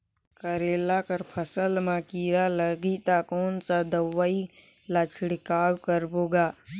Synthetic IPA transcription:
kəɾeːlakəɾpʰəsəlmãkiːɾaləɡit̪akoːnsad̪əʋːəi | lat͡ʃʰɽikaːkəɾboːɡaː

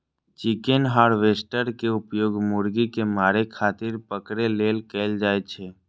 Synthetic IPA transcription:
t͡ʃɪkenɦaːɾʋeːsʈəɾkeʊpjoːɡmʊɾɡikemaːɾekʰaːt̪ɪɾpəkɾeleːlkɛld͡ʒaːet͡ʃʰeː

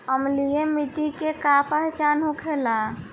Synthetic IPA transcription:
əmlijemiʈikekapəɦt͡ʃanɦũkʰela

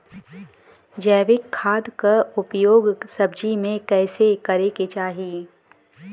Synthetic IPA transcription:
d͡ʒɛːʋɪkʰːaːd̪kaʊpjoːɡsɐbd͡ʒimẽkɛːsekɐɾeket͡ʃaːɦiː

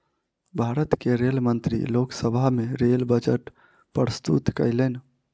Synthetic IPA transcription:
bʱaɾət̪keɾelmənt̪ɾḭloksəbʱameɾelbəd͡ʒəʈ | pɾəst̪ṵt̪kə̰ɪlen

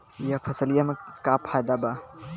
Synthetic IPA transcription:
jɐpʰɐsəljamekaːpʰad̪aba

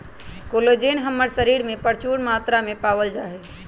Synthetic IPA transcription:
koːlod͡ʒeːnɦəmːəɾsəɾiːɾmẽpəɾt͡ʃuɳmaːt̪ɾamẽpaːʋəld͡ʒaːɦe

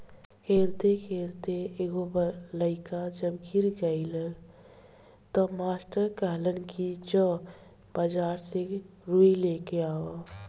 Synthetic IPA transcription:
kʰeːlt̪ekʰeːlt̪eeɡobələɪkad͡ʒəbɡiɾɡəɪləl | t̪əmaːsʈəɾkəɦlənkid͡ʒə̃ | bəd͡ʒaːɾse | ɾuilekeaːʋa

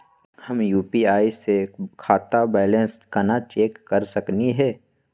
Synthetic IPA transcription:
hɐmjuːpiaːisekʰaːt̪abɛːlẽnskənat͡ʃeːkːɐɾsɐkniɦɛː

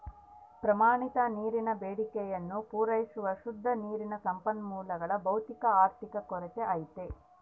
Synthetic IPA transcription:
pɾɐmaːɳit̪ɐniːɾinɐbeːɽikɛjɐnːupuːɾɐjisuʋɐʃud̪ʱːɐniːɾinɐsɐmpɐnmuːlɐɡɐɭɐbɐwt̪ikɐaːɾt̪ikɐkɔɾɛt͡ʃeʔɐjt̪e

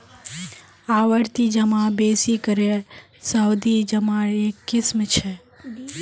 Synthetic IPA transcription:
aʋəɾt̪id͡ʒəmãbesikəɾe | səwd̪id͡ʒəmãekːismt͡ʃʰɛ

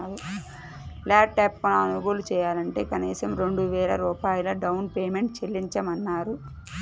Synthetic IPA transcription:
aːɾu | laːʈːɛːpːɐnɐnuɡuːlut͡ʃɛːjaːlɐɳʈe̞̰ːkɐniːsɐmɾe̞ɳɖuʋɛːɾɐ̰ɾuːpaːjɐlɐɖɐwnpeːme̞ɳʈt͡ʃelːiɲt͡ʃɐmɐnːaːɾu

